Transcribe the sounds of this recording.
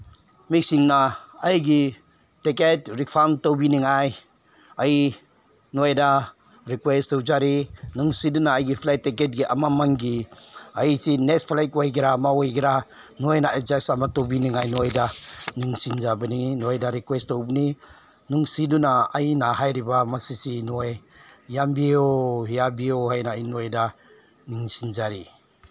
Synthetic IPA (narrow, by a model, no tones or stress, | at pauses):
mik̚siŋnaːjɡi | teketɾipʰantowbiniŋaj | aj | nojda | ɾikwestɔwzaɾinuŋsidunaːjɡipʰlajteket̚ɡiʔa̰mamaŋɡiajsinespʰlajkwojɡiɾamawojɡiɾa | nuajnaad͡ʒasamatɔbiniŋajnɔjdaniŋsind͡ʒabɯninuajdaɾikwestɔwbni | nuŋsidunaajnaɦajɾibamasisinuajjambiohijabioɦajnajinuɔjda | niŋsind͡ʒaɾi